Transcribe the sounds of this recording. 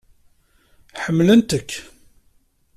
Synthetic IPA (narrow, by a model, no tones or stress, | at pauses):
ħəmːlənt̪əkː